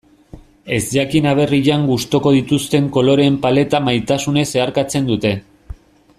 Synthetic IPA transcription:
e̞zd̪akinaβ̞e̞riʎaŋɡust̪o̞ko̞ðit̪ust̪e̞ŋko̞lo̞ɾe̞ːmpale̞t̪amajt̪asune̞se̞aɾkat͡se̞nd̪ut̪e̞

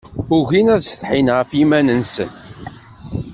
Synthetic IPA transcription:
ʊʝinæðst̪ħinʁəfimænənsə̰n

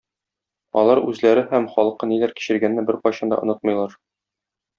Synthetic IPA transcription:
ɒ̰lˠɑɾʉzlæɾɘhæmχɒlˠɤ̆qɤnilæɾki̥ɕɘ̆ɾɡænːɘbɘɾqɒjɕɑnd̪ɑ̰ʔŏnɤt̪̚mɤ̆jlˠɑɾ

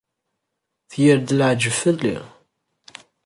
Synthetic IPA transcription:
θjəɾd̪ələʕd͡ʒəfəlːḭ

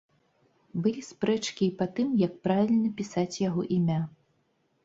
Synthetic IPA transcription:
bɨlʲispɾɛt͡ʂkʲipat̪ɨmjɐk̚pɾavʲilʲnɐpʲisat͡sʲjaɣɔʔimʲa

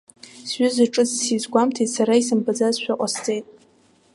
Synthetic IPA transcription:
sɥʏzaʈ͡ʂʼɨt͡sʰsizɡʷamtʰetʼsaɾaisɨmbad͡zazʃᶣʊqʷʼast͡sʼe̞jtʼ

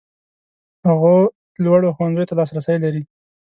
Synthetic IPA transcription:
haɣo | lwaɽoxowanzəjot̪alɑsɾasajlaɾi

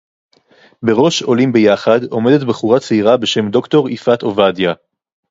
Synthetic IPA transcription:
be̞ʁo̞ʃo̞limbe̞jaχado̞me̞de̞tbeχuʁat͡seiʁabe̞ʃe̞md̪o̞kto̞ʁifato̞vadja

